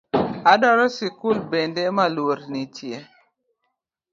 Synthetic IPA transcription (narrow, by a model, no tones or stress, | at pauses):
adɔɾɔsikulbendemalwoɾnitʰje